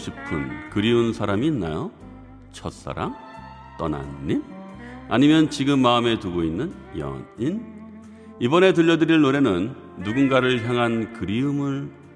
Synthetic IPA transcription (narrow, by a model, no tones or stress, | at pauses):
ɕʰipʰɯnkɯɾiunsʰaɾamiːnːa̰jo | t͡ɕʰʌt̚s͈a̰ɾam | t͈ʌ̰na̰nːina̰ɲimjʌnt͡ɕiɡɯmːaɯme̞tuɡoinːɯn | jʌ̰nin | ibʌne̞tɯʎːʌdɯɾiɭnoɾe̞nɯnː | uɡunɡaɾɯɭçjaŋɦankɯɾiɯmɯɭ